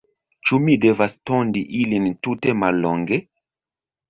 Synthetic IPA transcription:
t͡ʃumide̞vastondiʔilintute̞malːoŋɡe

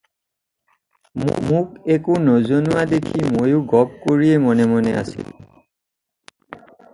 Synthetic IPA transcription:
mmʊkɛkunɔzonuwadekʰimojʊɡɔp̚koɹiɛmɔnɛmɔnɛa̰sḭl

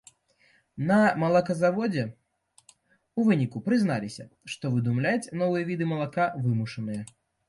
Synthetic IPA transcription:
nɐmɐlˠakɐzavɔd͡zʲɛ | uvɨnʲikupɾɨznalʲisʲɐʂt̪ɔvɨd̪umlʲat͡sʲnɔvɨjɐvʲid̪ɨmɐlˠakavɨmuʂɐnɨjɐ

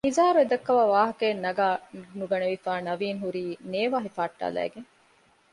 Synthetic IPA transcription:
nizaːɾued̪ɐkːɐʋaːʋaːɦɐkeːnːɐɡaːnuɡɐneʋifaːnɐʋiːŋɦuɾiːneːʋaːɦifaːʈːa̰ːlæ̰ːɡeŋ

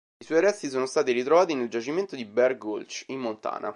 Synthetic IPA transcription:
iswɔjɾɛst̪isoːnost̪aːt̪iɾit̪ɾovaːt̪ineld͡ʒat͡ʃiment̪od̪ibɛrɡolt͡ʃimːont̪a̰ːnʔa̰

